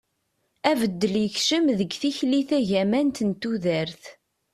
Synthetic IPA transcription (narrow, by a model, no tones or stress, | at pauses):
ævəd̪ːəljəçʃəmðəɡθiçliθæʝæmænt̪ənt̪ːuðæɾθ